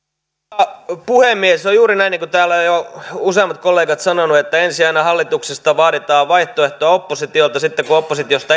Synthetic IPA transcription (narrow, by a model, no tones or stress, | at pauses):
puhemːiesojjuːɾinæinːiːŋkut̪æːlːæojjouseɑmːɑt̪kolːeːɡɑt̪sɑnonuet̪ːæensiɑinɑhɑlːit̪uksest̪ɑʋɑːɾit̪ɑːʋʋɑiht̪oeht̪oɑopːosit̪iolt̪ɑsit̪ːekuopːosit̪iost̪ɑ